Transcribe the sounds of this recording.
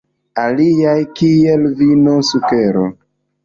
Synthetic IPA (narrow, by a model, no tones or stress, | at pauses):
aliajkielvinosukeɾo